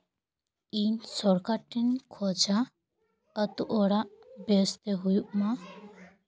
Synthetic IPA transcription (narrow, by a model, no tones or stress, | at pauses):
insɔɾkaʈːinkʰɔd͡ʒa | ət̪uʔɔɽaʔbest̪eɦujuʔmã